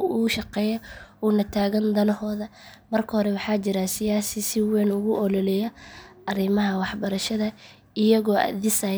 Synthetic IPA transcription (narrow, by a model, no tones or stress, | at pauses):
uːʃɑqɛːjɐuːnɐt̪ʰaːɣɐnd̪ɐlɦɔːðɐmɐrkʰɐhɔɾɛwɑħɑːt͡ʃɪɾɐsɪjaːsɪsɪwɛːnʊɣʊʔɔlɔlɛjɐʔɐrɪmɐɦɐwɑħbɐɾɐʃɐðɐ | ɪjɐɣɔːʔɐ̰ðɪsɐ